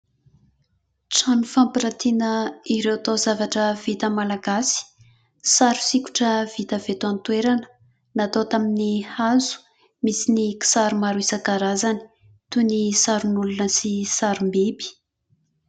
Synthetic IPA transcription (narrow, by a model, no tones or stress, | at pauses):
t͡sanufampiɾat̪inəiɾewat̪ozavaʈ͡ʂəv̥it̪əmalaɡasi̥ | saɾu̥sikʲu̥ʈ͡ʂəv̥it̪əv̥et̪uant̪weɾanə̥ | nat̪ot̪aminihazu̥ | misiniki̥saɾumaɾuisakaɾazani̥ | t̪unisaɾunulunəsisaɾumbibi̥